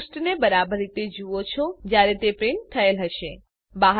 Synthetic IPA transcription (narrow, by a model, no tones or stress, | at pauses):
sʈnebəɾabəɾːit̪ed͡ʒuot͡ʃʰod͡ʒjaɾet̪epɾeɳt̪ʰəelɦəʃe | baɦ